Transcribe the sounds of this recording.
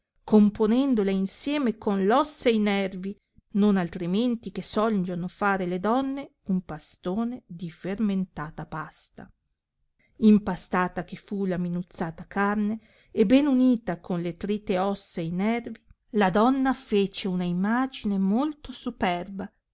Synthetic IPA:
komponɛnd̪olainsjɛːmekonlɔsːainɛrvi | nonalt̪ɾiment̪ikesɔld͡ʒonofaːɾeled̪ɔnːeumpast̪oːned̪iferment̪aːt̪apast̪a̰ | impast̪aːt̪ak̟efulaminut̪sːaːt̪akarneː | bɛnuniːt̪akʰonlet̪ɾit̪ːeɔsːainɛrvi | lad̪ɔnːafeːt͡ʃeunaimaːd͡ʒinemolt̪osupɛrba

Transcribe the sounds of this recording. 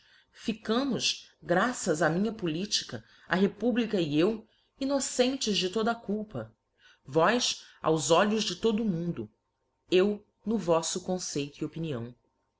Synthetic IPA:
fikɐ̃mʊʃɡɾasɐzɐmĩɲɐpulit͡ʃi̥kɐ | ɐɦepublikɐiew | inosẽnt͡ʃɪzd͡ʒɪt̪od̪ɐkuwpɐ | vɔjsa̰wzɔʎʊzd͡ʒɪt̪od̪ʊmũnd̪ʊ | ew | nʊvɔsʊkõsejt̪ʊiopiniɐ̰̃w̃

